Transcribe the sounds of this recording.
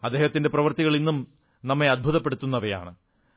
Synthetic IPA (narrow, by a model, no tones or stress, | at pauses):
ɐd̪eːhɐt̪ːinde̞prɐʋɐrt̪iɣɐɭinːum | nɐmːeɐd̪̚bʱuðɐpːe̞ɽut̪ːunːɐʋɐja̰ːɳɨ